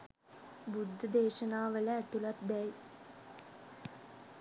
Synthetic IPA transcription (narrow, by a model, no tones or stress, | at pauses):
bud̪ʱːəd̪eːʃənaːʋələæt̪ulat̪bɛj